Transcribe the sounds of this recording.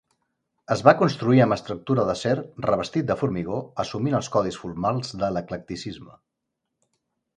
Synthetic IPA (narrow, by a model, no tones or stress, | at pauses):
əzβakunst̪ɾuiəməst̪ɾuk̚t̪uɾəðəsɛrrəβ̞əst̪it̪̚d̪əfuɾmiɣ̞oəsuminəlˠskɔðisfulmalˠzðələklək̚t̪isizmə